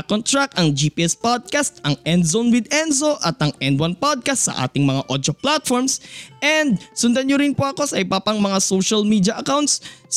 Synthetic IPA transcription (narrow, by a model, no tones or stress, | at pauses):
kont̪ɾakɐŋd͡ʒiːpiʔɛspod̪̚kast̪ʔɐŋɛnd̪zonwɪd̪ɛnzoʔɐt̪ɐŋʔɛnd̪̚wanpod̪̚kɐst̪sɐ̰ʔa̰ːt̪ɪŋmɐŋaʔod̪oplat̪̚foɹmsʔɛnd̪̚sʊnd̪ɐɲɲoɾɪnpoʔɐko̞sɐʔɪbapɐŋmɐŋasowʃɐlmiːd̪iɐʔɐkawnt̪̚s